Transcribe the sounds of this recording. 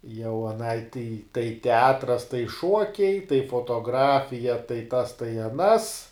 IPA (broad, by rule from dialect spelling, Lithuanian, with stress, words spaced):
jɛʊ ɐˈnɐɪ tʲɛɪ tɐɪ tʲɛˈɑːtrɐs tɐɪ ˈʃuɔkʲɛɪ tɐɪ foːtoːˈɡrɑːfʲɪjɛ tɐɪ tɐs tɐɪ ɐˈnɐs